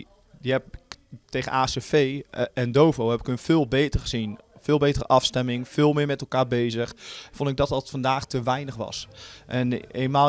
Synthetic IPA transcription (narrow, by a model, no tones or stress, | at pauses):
diɛpteːɣənaːsefeːɛndoːvowhɛpɪkønfɪːlˠbeːtərxəz̥infɪːlˠbeːtərə̰ʔɑfstɛmɪŋfɪːlˠmɪːmɛtɛlˠkaːɹbeːzəxfondɪɡ̚dɔtɔtfɔndaːxtəʋɛjnəxʋɑ̰sʔɛneːnma